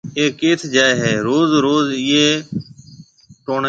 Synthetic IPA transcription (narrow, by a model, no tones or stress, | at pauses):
eːkeːt̪ʰd͡ʒaːeːɦeːɾoːzɾoːzɪːeː | ʈoːɳ